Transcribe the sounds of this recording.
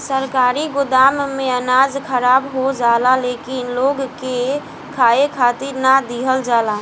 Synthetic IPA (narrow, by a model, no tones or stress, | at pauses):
səɾkaɾiɡʊd̪ammeənad͡ʒkʰəɾabɦod͡ʒalalekinloɡke | kʰaekʰat̪iɾnad̪iɦəld͡ʒala